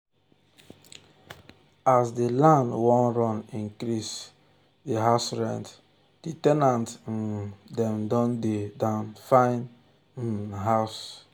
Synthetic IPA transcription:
asdilãndwɔ̃nɾɔ̃nĩŋkɾis | diɦaʊsɹɛ̰̃nt | d̥itɛnãnt̩dɛ̃mdɔ̃ndedãʊnfãɪ̃n̩ | ɦaʊs

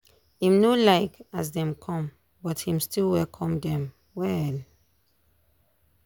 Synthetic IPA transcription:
hĩmnolaɪkasdɛ̃mkʰɔ̃m | bɔthĩmstilwɛlkʰɔ̃mdɛ̃m | wɛl

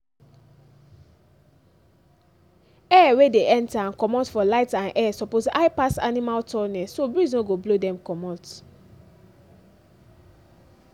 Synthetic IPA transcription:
ɛwedeʔɛ̃ntaãnkɔmɔtfɔlaɪtãnʔɛsɔpoza̰ɪpasa̰nimaltʰɔnɛsobɹiznoɡoblodɛ̃mkɔmɔt

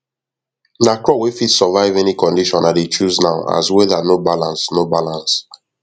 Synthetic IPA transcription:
nakɹɔwefidsɔvaɪvɛnikɔ̃ndiʃɔ̃nadet͡ʃuznaʊa̰zwɛdanobalãnsnobalãns

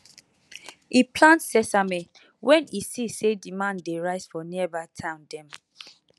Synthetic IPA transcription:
ipʰlãntsɛsame | wɛ̃nisisedimãndeɹaɪsfɔniəbaɪtʰãʊ̃ndɛ̃m

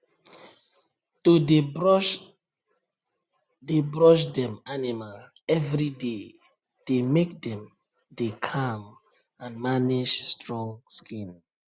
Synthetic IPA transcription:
tode | debɹɔʃ̬dɛ̃manimalɛvɹide | d̥emek̚dɛ̃m | dekʰam | ãnmanid͡ʒstɹɔ̃ŋskĩn

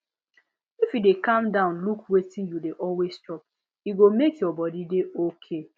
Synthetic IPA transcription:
ifidekãmdãʊ̃nlukwetĩnjudeʔɔlwestɔp̚ | iɡomekjɔbɔdideokʰe

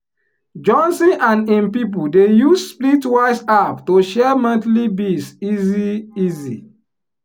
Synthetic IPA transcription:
d͡ʒɔ̃nsĩʔãnĩmpip̬udejussplitwaɪsaptoʃɛmãntlibisiziizi

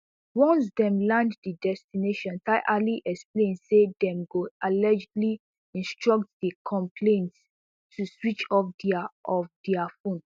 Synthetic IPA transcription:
wɔ̃ns̬dɛ̃mlãnddidɛstineʃɔ̃ntaɪʔaliʔɛksplẽnsedɛ̃mɡoalɛd͡ʒdli | ĩnstɹɔk̚td̥ikʰɔ̃mpʰlẽnt | tuswit͡ʃɔpdiaɔfdiafõn

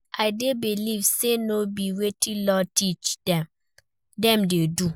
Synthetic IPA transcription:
aɪdebilivsenobiwetʰĩlɔtit͡ʃdɛ̃m | dɛ̃mdedu

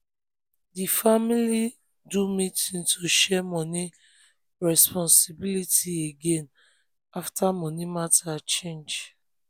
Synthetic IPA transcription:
difamili | dumitĩntʰoʃɛmɔni | ɹɛspɔ̃nsibilitieɡẽn | aftʰamɔ̃nimatat͡ʃẽnd͡ʒ

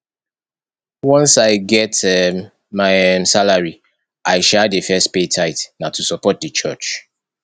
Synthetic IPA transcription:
wɔ̃nsaɪɡɛtɛm | maɪmsalaɹi | aɪʃɛdəfɛstpetʰaɪtnatusɔpɔt̚dət͡ʃɜt͡ʃ

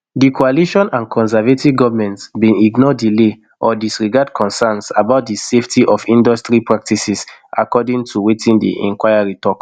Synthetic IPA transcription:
dikʰoaliʃɔ̃nãnkʰɔ̃ns̬ɛvetivɡɔvmɛ̃ntsbĩiɡnɔdile | ʔɔdisɹiɡad̚kʰɔ̃nsɛ̃nsabaʊt̚diseftʰiʔɔfĩndɔstɹipɹak̚tisisa̰kɔdĩŋtʰuwetĩndḭʔɛ̰̃ŋkwaɪaɹitɔk

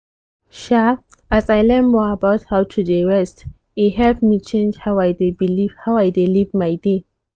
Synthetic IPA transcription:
ʃa | asajlɛ̃nmɔabaʊthawtʰudeɹɛst | iɦɛvmit͡ʃẽnd͡ʒhawajdebiliv̥hawajdelivmajde

